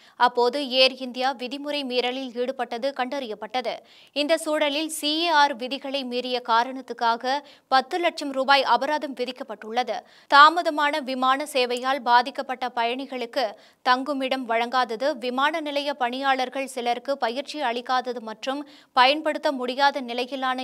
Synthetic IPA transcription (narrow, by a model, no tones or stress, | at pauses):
ɐpːoːðɯeːɾɪnd̪ɪjaːʋɪðɪmɯɾɐɪmiːɾɐlɪliːɽɯpɐʈːɐðɯkɐɳɖɐɾɪjɐpːɐʈːɐðɯ | ɪnd̪ɐsuːɽɐlɪlsieːaːɾʋɪðɪɣɐɭɐɪmiːrɪjɐkaːɾɐɳɐt̪ːɯkːaːɣɐ | pɐt̪ːɯlɐʈ̚t͡ʃɐmɾuːbaːjʔɐbɐɾaːðɐmʋɪðɪkːɐpːɐʈːɯɭːɐðɯ | t̪aːmɐðɐmaːnɐʋɪmaːnɐseːʋɐjaːlbaːðɪkːɐpːɐʈːɐpɐjɐɳɪɣɐɭɯkːɯ | t̪ɐŋɡɯmɪɽɐmʋɐɻɐŋɡaːðɐðɯʋɪmaːnɐnɪlɐjɐpɐɳɪjaːɭɐɾɣɐɭsɪlɐɾkɯpɐjɪɾt͡ʃiɐɭɪkːaːðɐðɯmɐʈrɯm | pɐjɐnpɐɽɯt̪ːɐmʊɽɪjaːðɐnɪlɐjɪlːaːnɐ